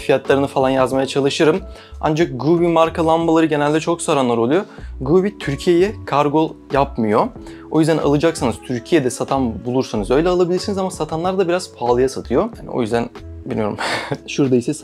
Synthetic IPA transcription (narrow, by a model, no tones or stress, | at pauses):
fijat̪lˠaɾɯnɯfalˠanjazmajat͡ʃʰalˠɯʃɯɾɯm | a̰nd͡ʒak̚ɡɾuβimaɾkʰalˠambalˠaɾɯɟenælʲd̪ɛt͡ʃʰo̞ksaɾanlˠaɾolˠujoɡɾuβit̪ʰyɾcʰijejɛkʰaɾɡo̞jap̚mɯjo̞ | o̞jyzd̪ænʔa̰lˠɯd͡ʒaksanɯz̥t̪ʰyɾcʰijed̪ɛsat̪ʰanbulˠuɾsanɯzø̞jlʲɛalˠabilʲiɾsinizamasat̪ʰanlˠaɾd̪abiɾaz̥pʰaːlˠɯjasat̪ʰɯjohanḭo̞̰jyzd̪ænbilʲijoɾṵmʃuɾd̪ajisɛs